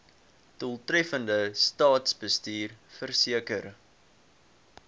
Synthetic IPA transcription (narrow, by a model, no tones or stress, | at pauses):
tulˠtrɛfəndəstɑːtsbəstiːrfərsiəkər